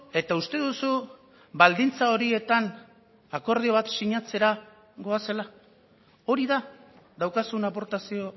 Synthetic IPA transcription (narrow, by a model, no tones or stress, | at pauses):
e̞t̪aust̪e̞ðusu | bald̪int͡sao̞ɾie̞t̪an | ako̞ɾð̞io̞β̞at̪siɲat͡se̞ɾa | ɣo̞ase̞la | o̞ɾiða | ðawkasunapo̞ɾt̪asio̞